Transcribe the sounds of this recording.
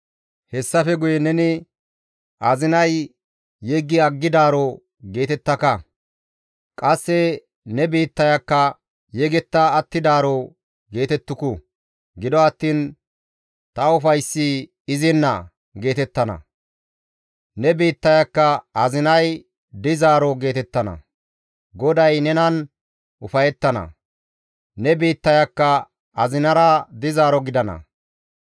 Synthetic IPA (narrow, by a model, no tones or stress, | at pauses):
hɛsːɐfɛɡʊjɛnɛnɪ | ʔɐzɪnɐjː | ɛɡːɪɐɡːɪd̪aːɾɔ | ɡe̞ːt̪ɛt̪ːɐkɐ | kʼɐsːɛ | nɛbeːt̪ːɐjɐkːɐ | jɛɡɛt̪ːaɐt̪ːɪd̪aːɾɔ | ɡe̞ːt̪ɛt̪ːʊkʊ | ɡɪd̪ɔɐt̪ːiːn | t̪ɐʊfɐjsːɪ | ɪzɪnːɐ | ɡe̞ːt̪ɛt̪ːɐnɐ̰ | nɛbiːt̪ːɐjɐkːɐɐzɪnɐj | d̪ɪzaːɾɔɡe̞ːt̪ɛt̪ːɐnɐ̰ | ɡɔd̪ɐjnɛnɐn | ʊfɐjɛt̪ːɐnɐ̰ | nɛbiːt̪ːɐjɐkːɐ | ɐzɪnɐɾɐd̪ɪzaːɾɔɡɪd̪ɐnɐ̰